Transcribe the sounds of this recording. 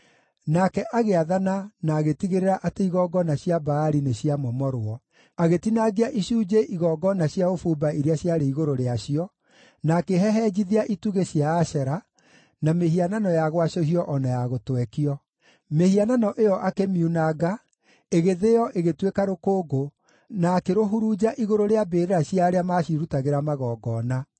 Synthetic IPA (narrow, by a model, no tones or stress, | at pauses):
nakɛʔaɣeaðananaːɣetiɣeɾeɾaʔateiɣɔɡɔnaɕjabaːɾineɕiamɔmɔɾoɔ | aɣetinaɣiaʔiɕuːd͡ʑeʔiɣɔɡɔnaɕjaofubaiɾeaɕjaɾeiɣoɾoɾeaɕiɔ | nakeɦɛɦɛd͡ʑiðiaʔituɣeɕjaːɕɛɾa | nameɦiananɔjaɣwaɕoɦiɔʔɔnajaɣotwɛkiɔ | mehiananɔʔejɔʔakemiunaɡa | eɣeðejɔʔeɣetwekaɾokoːɡo | naːkeɾoɦuɾuːd͡ʑaʔiɣoɾoɾeabeɾeɾaɕiaɾeamaɕiɾutaɣeɾamaɣɔːɡɔna